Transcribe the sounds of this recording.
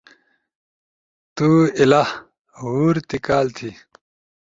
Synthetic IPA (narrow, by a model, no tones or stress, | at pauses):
t̪uːilah | ɦuːɾt̪ikaːlt̪ʰi